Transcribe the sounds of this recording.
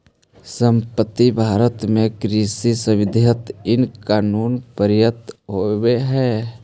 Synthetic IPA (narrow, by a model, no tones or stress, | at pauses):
sə̃mpət̪ːibʱaːɾət̪mẽkɾisisəwɪd̪ʱjət̪ɪnkaːnuːnpəɾjət̪ɦoweɦɛː